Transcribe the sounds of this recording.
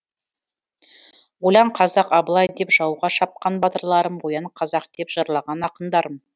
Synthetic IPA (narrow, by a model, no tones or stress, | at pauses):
wolɑɴqʰɑzɑqɑbəlˠɑjd̪e̞pʒ̥ɑwʁɑʃɑp̚qɑnbɑt̪əɾlˠɑɾəmwojɑɴqʰɑzɑqd̪̥e̞pʒ̥ɑɾlˠɑʁɑnɑqənd̪ɑɾəm